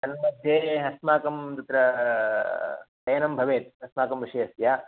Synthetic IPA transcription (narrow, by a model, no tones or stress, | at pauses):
t̪ɐnmɐd̪ʱjeːɦɐsmaːkɐmd̪it̪ɾɐ | t̪ɐjɐnɐmbʱɐʋeːt̪̚ɦɐsmaːkɐmʋiʂɐjɐsjaː